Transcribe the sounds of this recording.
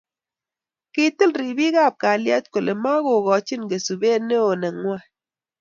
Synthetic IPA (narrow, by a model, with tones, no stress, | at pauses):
ki˦tɨ˦lɾi˨bi˦ɡa˦˨p̚ka˨ljɛ˦t̚ko˨le˨ma˦ɡo˨ɡɔ˨t͡ʃi˦˨nɡe˨su˨be˦ne˦o˨nɛ˨ŋːwa˦